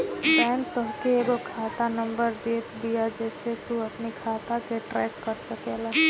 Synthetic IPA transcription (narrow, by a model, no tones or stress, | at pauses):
bɛ̃ːnt̪ʊɦkeɡokʰaːt̪anə̃mbəɾd̪eːt̪bijad͡ʒɛːset̪uɐpnikʰaːt̪akeʈɾɛːkkəɾsəkela